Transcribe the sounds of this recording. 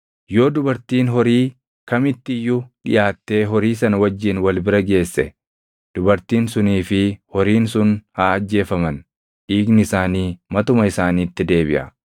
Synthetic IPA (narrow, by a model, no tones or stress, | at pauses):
jo̞ːd̪ʊbɐɾt̪iːnɦɔɾiː | kɐmɪt̪ːɪɪjːʊᶑɪ̰jaːt̪ːe̞ːɦɔɾiːsɐnɐwɐd͡ʒːɪnwɐlbɪɾɐɡe̞ːsːɛ̰ | d̪̥ʊbɐɾt̪iːnsʊniːfɪhɔɾiːnsʊnhaːd͡ʒːe̞ːfɐmɐn | ᶑiːɡnɪɪsaːniːmɐt̪ʊmɐɪsaːniːt̪ːɪd̪e̞ːbɪ̰ʔɐ̰